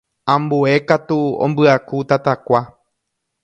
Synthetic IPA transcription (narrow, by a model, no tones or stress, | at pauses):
ãmbue̞kat̪uõ̰mbɨakut̪at̪akʷa